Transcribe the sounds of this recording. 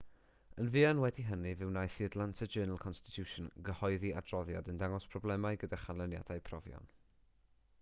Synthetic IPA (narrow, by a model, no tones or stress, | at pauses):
ənviːanwɛdiɦənɨvɨwnajθiədlˠantʰəd͡ʒɜːnəl̩ˠkʰɔnstɪ̥tʰjuʃɔnɡəhɔɨðiʔa̰drɔðja̰dəndaŋɔspʰrɔblɛmaɨɡədaχanlˠənja̰dajpʰrɔvjɔ̰n